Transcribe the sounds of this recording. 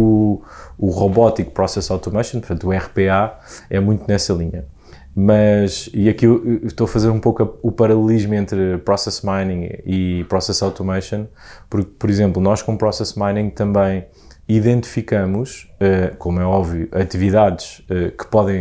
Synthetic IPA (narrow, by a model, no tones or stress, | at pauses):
u | uʁoβɔt̪ikpɾɔsɛsawt̪umɐjʃõnpɾt̪ɐ̃nt̪uɛʁpeaɛmũj̃t̪unɛsɐlˠiɲɐ | mɐʃiɐkiʃt̪oɐfɐzeɾũpowkɐupɐɾɐlˠlˠiʒmẽnt̪ɾpɾɔsɛsmajnĩŋɡipɾɔsɛsawt̪umɐʃõnpuɾk̚pɔɾizẽmplˠunɔʃkõupɾɔsɛsmajnĩɡt̪ɐ̃mbɐ̃j̃ | iðẽnt̪i̥fikɐmuʃɛkomwɛɔbvijuʔɐt̪iviðaðʃɛkɨ̥pɔðɐ̃j̃